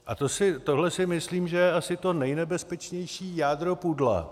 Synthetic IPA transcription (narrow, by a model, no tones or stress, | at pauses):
ʔat̪o̞sɪt̪o̞ɦlɛsɪmɪsliːmʒɛjɛasɪt̪o̞nɛjnɛbɛspɛt͡ʃɲɛjʃiːjaːd̪ɾo̞pudla̰